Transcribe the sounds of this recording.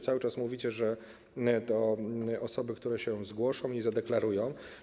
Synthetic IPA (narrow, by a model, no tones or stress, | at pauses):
t̪sawɘt͡ʂasmuvʲit͡ɕɛʐɛ | t̪ɔɔsɔbɘkt̪uɾɛɕɛzɡwɔʂɔ̃w̃izad̪ɛklaɾujɔ̃w̃